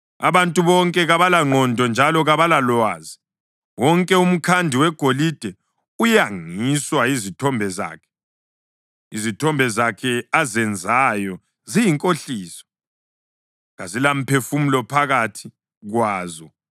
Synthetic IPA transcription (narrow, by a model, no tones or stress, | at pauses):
a̰βantʼuβɔŋkʼɛɣaβalaŋ͡ǃʱɔndʱɔnd͡ʒʱalɔɣaβalalwaːzi | wɔŋkʼɛum̩kʰandʱiwɛɡ̥ʱolid̥ʱɛ | ujaŋiswaizitʰɔmbʱɛza̰ːkʰɛ̥ | izitʰɔmbʱɛzakʰɛazɛnd͡zʱajɔ | zijiŋkʼoɬiːsɔ̥ | ɣazilam̩pʰefumulɔpʰaɣatʰi | ɣwaːzɔ